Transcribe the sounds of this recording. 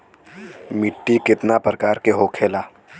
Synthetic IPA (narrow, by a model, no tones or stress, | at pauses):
mɪʈːikɪt̪napɾəkaːɾkeɦoːkʰeːlaː